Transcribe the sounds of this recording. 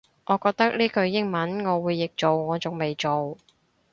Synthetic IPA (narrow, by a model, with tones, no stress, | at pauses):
ŋʔɔː˨˧kɔː˧k̚t̪ɐ˥k̚liː˥kɵ˧ɥjɪ˥ŋmɐ˨˥nŋɔː˨˧wuː˨˧jːɪ˨k̚t͡so˨wŋɔː˨˧t͡sʊ˨ŋme˨jt͡so˨w